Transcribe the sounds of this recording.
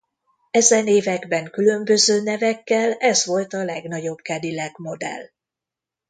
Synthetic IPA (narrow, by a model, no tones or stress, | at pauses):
ɛzɛneːvɛɡbɛŋkylø̞mbø̞zøːnɛvɛkːɛlɛzʋo̞lt̪ɒlɛɡn̪ɒɟo̞bkɛd̪ilɛɡmo̞d̪ɛ̰l